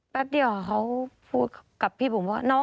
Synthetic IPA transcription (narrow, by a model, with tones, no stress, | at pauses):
bɛ˦˥p̚di˧˩ə˨wa˧kʰa˧˥wpʰuː˧˩t̪̚ʰka˨˩pʰːiː˧˩buː˨˦mbɔː˧˨nɔː˧˥